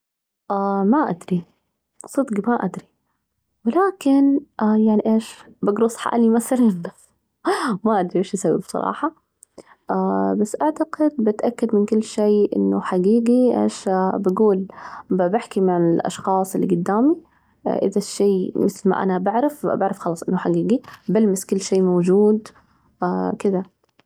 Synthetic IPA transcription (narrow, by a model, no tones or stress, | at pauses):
ʔaːmaʔad̪ɾi | sˤɨd̪ɡmaʔad̪ɾi | wɪlaːkɪnʔajaʕniʔeːʃbaɡɾʊsˤħa̰ʔlimaθalan | maʔad̪ɾiʔeːʃʔasaw̰bsˤɑ̰ɾˤɑ̰ːħɑ | ʔabasːʔaʕt̪aɡɪd̪̚bɪt̪ʔakːad̪mɪnkʊlːʃeːʔɪ̰nːʊ̰ħaɡiːɡiʔḛːʃbaɡuːlbabɪħkimaʕɪlʔɑ̰ʃxɑːsˤɪlːḭɡʊd̪ːaːmḭ | ʔɪ̰ðaʃːeːmɪθlma̰ʔa̰nabaʕɾafbaʕɾˤɑfxɑlɑːsˤʔɪnːʊħaɡiːɡibalmɪskʊlːʃeːmowd͡ʒuːd̪ | akɪd̪a